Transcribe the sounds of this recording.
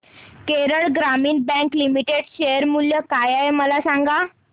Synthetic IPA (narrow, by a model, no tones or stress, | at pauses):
keɾəɭɡɾamiːnbɛ̃klimiʈeɽɕejəɾmuljəkajajməlasaŋɡa